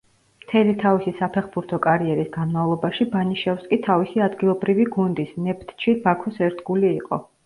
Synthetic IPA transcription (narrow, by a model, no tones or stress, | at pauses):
mt̪ʰɛlit̪ʰavisisapʰɛχbuɾt̪ʰɔkʼaɾiɛɾisɡanmavlˠɔbaʃibaniʃɛfskʼit̪ʰavisiad̪ɡilˠɔbɾiviɡund̪isnɛpʰt̪ʰt͡ʃʰibakʰɔsɛɾt̪ʰɡuliːqʼɔ̰